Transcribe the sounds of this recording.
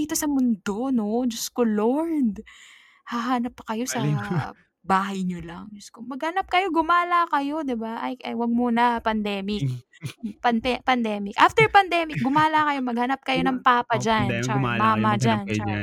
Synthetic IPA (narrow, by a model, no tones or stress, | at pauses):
iːt̪o̞sɐmʊnd̪ono̞d͡ʒɐskoloɹd̪ | haɦaːnɐpːkɐjo̞sɐ | baːɦɐjɲolɐŋd͡ʒɐskomɐɡ̚hɐnap̚kɐjo̞ɡʊmaːlakɐjo̞d̪ɪbaʔɐjʔɐjwɐɡ̚muːnɐpɐnd̪ɛːmɪk̚ | pɐnɛpɐnd̪ɛːmɪkʔaft̪ɛɹpɐnd̪ɛmɪk̚ɡʊmaːlakɐjo̞mɐɡ̚hɐnap̚kɐjo̞nɐŋpaːpɐd͡ʒant͡ʃɐkaamaːmɐd͡ʒant͡ʃa